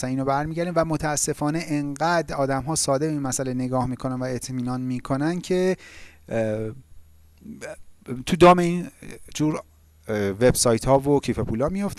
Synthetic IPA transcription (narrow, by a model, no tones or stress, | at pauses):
sæniːnobæɾmiːɟæɾd̪iːmvæmo̞t̪ʰæːsːe̞fɒːne̞ʔeŋɢæd̪ɒːd̪æmɦɒːsɒːd̪ebeiːnmæsælene̞ɡɒːhmiːkʰo̞nænvæe̞t̪ʰmiːnɒːnmiːkʰo̞næncʰe̞ | t̪ʰud̪ɒːmeiːnd͡ʒuːɾ | ve̞bsɒːjt̪ʰhɒːvocʰiːfepʰuːlɒːmijo̞ft̪